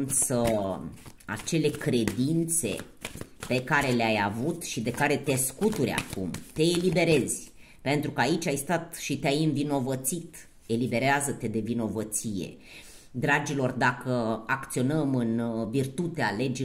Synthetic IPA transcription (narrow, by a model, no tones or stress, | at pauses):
sə | a̰t͡ʃe̞le̞kɾe̞d̪int̪se̞̰ | pe̞kaɾe̞leajavut̪ʃid̪e̞kaɾe̞t̪e̞skut̪uɾʲa̰kumt̪e̞ːlibe̞ɾe̞zʲ | pe̞nt̪ɾukəait͡ʃʲajst̪at̪ʃit̪eajɨɱvino̞vət̪sit̪ | e̞libe̞ɾeazət̪e̞d̪e̞vino̞vət̪sije̞̰ | d̪ɾad͡ʒilo̞rd̪akəakt̪sio̞nəmɨnvirt̪ut̪eale̞d͡ʒi